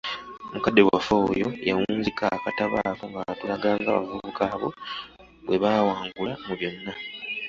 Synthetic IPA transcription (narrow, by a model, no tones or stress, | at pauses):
mukadːe̞wafoːjo̞jawuːnzikakataβaːfoŋɡaatulaɡaːŋɡa̰βa̰vuβukaːβo̞̰ | βwe̞βaːwaːŋɡulamuβjo̞nːa